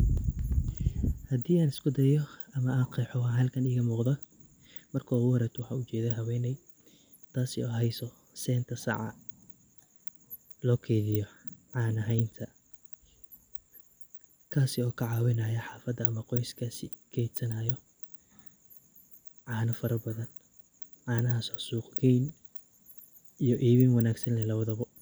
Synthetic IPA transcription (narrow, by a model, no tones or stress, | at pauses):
hɐd̪iːaːnɪskʰʊd̪ɛjɔɐmɐaːqɛːħɔwɑħɦɐlkʰɐniːɣɐmuːqd̪ɔ | mɐrkʰɔːwɔɾɛt̪ʰwɑħɑ̰ːʊt͡ʃɛːðɛɦɐwɛːnɛj | t̪ʰaːsɪɔːɦɛjsɔ | sɛːnt̪ʰɐsɑ̰ʕɑ̰ | lɔːkʰɛjðɪjɔʕɑːnɐɦɛjnt̪ʰɐ | kʰaːsɪɔːkʰɐʕɑːwɪnajɐħɑːfɐd̪ɐːmɐqɔjskʰaːsɪ | kʰɛjd̪sɐnaːjɔ | ʕɑːnɐfɐɾɐbɐðɐn | ʕɑːnɐɦɐsɔsuːqɡʰɛjn | ijɔʔiːβɪnwɐnaːɡsɐnlɛlɐβɐðɐβɔ